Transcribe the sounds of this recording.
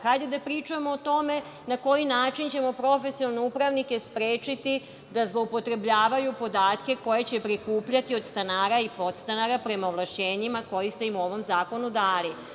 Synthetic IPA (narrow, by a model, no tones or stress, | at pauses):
xajd̪ed̪apɾiːt͡ʃujemoːt̪o̞me̞ | nako̞jinaːt͡ʃint͡ɕe̞mo̞pɾo̞fe̞siolneupɾaʋnike̞spɾeːt͡ʃit̪i | d̪azlˠo̞upo̞t̪ɾe̞bʎaːʋajupo̞d̪aːt̪ke̞ko̞je̞t͡ɕe̞pɾikuːpʎat̪io̞d̪st̪anaːɾaipo̞t̪st̪anaɾapɾe̞maoʋlˠaʃeːɲimako̞jist̪e̞imuo̞ʋo̞mzaːko̞nud̪aːli